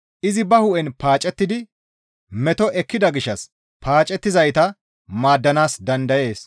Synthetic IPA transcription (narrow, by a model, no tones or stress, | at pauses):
ʔɪzɪbɐhʊʔɛnpaːt͡ʃʼːɛt̪ːɪd̪ɪ | mɛt̪ɔʔɛkːɪd̪ɐɡɪʃːɐs | pʰaːt͡ʃʼɛt̪ːɪzɐjt̪ɐ | maːd̪ːɐnaːsd̪ɐnd̪ɐje̞ːs